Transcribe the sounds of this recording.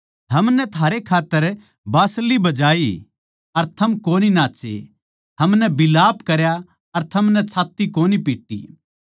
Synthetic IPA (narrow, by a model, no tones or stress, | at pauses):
ɦɐmnɛt̪ʰaːɾekʰaːt̪ːəɾ | baːslibɐd͡ʒaːi | ɐɾt̪ʰɐmkoːninãːt͡ʃḛ | ɦɐmnɛbɪlaːpkɐɾja | ɐɾt̪ʰɐmnɛt͡ʃʰaːt̪ːikoːnipiːʈːḭ